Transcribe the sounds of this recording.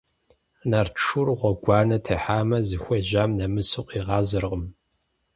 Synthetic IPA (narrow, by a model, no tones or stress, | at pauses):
naːrʈ͡ʂʰurʁʷɔɡʷɑːnɐtʰɐħaːmɐzɨxʷɔʑaːmnɐmɨsɨqʷʼiːʁɑːzɨrʁəm